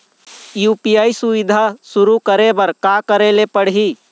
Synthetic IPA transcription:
jupijaːisuʋɪd̪ʱasʊɾukəɾebəɾkakəɾelepəɽɦi

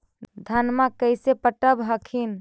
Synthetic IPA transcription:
d̪ʱənmakəjsepəʈəbɦəkʰin

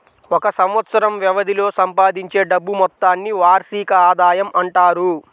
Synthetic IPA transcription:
ɔkɐsɐmʋɐt̪sɐɾɐmʋjɛʋɐd̪ʱilo̞ːsɐmpaːd̪iɲt͡ʃe̞ːɖɐbːumɔt̪ːaːnːiʋaːɾsiːkɐaːd̪aːjɐmʔɐɳʈaːɾu

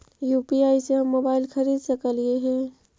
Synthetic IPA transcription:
juːpiaːiseɦɐmːoːbaːɪlxɐɾiːd̪sɐkəlieɦɛ̃ː

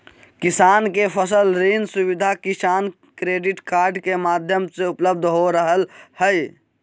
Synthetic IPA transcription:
kisaːnkepʰəsəlɾinsubid̪ʱakisaːn | kɾeɖiʈkaːɾɖkemad̪ʱjəmseʊpləb̚d̪ʱɦoɾəɦəlhəj

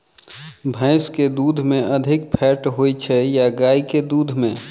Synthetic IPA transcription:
bʱə̃ɪsked̪ud̪ʱmẽəd̪ʱɪkpʰɛʈɦojt͡ʃʰɛjaɡaːiked̪ud̪ʱmẽ

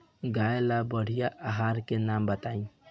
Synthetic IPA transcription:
ɡaelabəɽ̤ijaʔaɦaɾkenambət̪aĩ

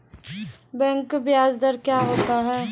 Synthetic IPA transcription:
bɛ̃ːŋkbɪjaːzd̪əɾkjaːɦoːt̪aɦɛː

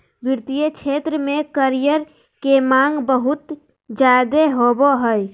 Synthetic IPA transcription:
biɾt̪ijət͡ʃʰet̪ɾəmekəɾijəɾ | kemaŋɡbəɦut̪ | d͡ʒad̪eɦoboɦəj

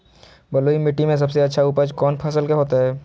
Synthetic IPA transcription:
bɐloːimɪʈːimẽs̬ɐbseɐtːʃʰauːpəd͡ʒkɔːnpʰɐsəlkeɦoːt̪aɦɛː

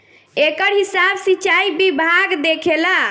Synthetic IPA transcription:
ekəɾɦisabsit͡ʃaibibʱaɡd̪ekʰela

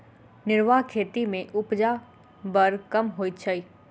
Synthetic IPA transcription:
nɪɾʋaɦkʰeːt̪imẽʔʊpd͡ʒa | bəɾkɐmɦoːit̪t͡ʃʰai

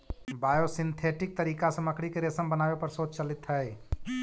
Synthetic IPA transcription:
baːjosint̪ʰeʈɪk̚t̪əɾiːkasəməkʰɽikeɾesəmbənaːbepəɾsoːd̪̚t͡ʃəlit̪ɦəj

